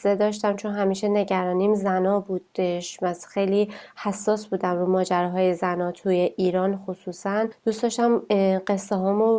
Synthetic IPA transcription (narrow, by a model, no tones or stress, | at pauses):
ed̪ɒːʃt̪æmt͡ʃʰo̞nɦæmiːʃe̞ne̞ɟæɾɒːniːmzænɒːbuːd̪eʃmæsxejlihæsːɒːsbuːd̪æmɾuːmɒːd͡ʒæɾɒːɦɒːje̞zænɒːt̪ʰuːje̞ʔiːɾɒːnxosuːsænd̪uːst̪d̪ɒːʃt̪æmɢe̞sːeɦɒːmo